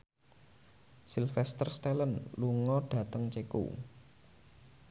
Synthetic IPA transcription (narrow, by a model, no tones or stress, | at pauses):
silfɛst̪ərst̪ɛlənluŋɔɖ̥ä̤t̪əŋt͡ʃekṵ